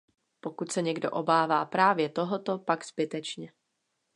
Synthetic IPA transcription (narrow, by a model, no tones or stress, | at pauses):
po̞kut̪sɛɲɛɡdo̰ʔobaːvaːpɾaːvjɛt̪o̞ɦot̪o̞paɡz̥bɪt̪ɛt͡ʃɲɛ